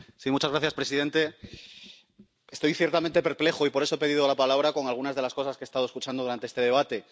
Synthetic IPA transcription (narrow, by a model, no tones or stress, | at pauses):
simut͡ʃazɣɾaθjaspɾe̞siðe̞nt̪e̞ | est̪o̞jθje̞ɾt̪ament̪e̞pe̞ɾple̞xoipoesoepe̞ðiðolapalaβɾako̞ŋalɣ̞unazðe̞lasko̞saskest̪aðoeskut͡ʃand̪ðuɾant̪eest̪e̞ðe̞β̞at̪e̞